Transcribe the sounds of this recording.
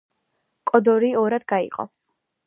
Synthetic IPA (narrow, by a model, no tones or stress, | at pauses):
kʼɔd̪ɔɾiːɔɾad̪ɡaḭqʼɔ̰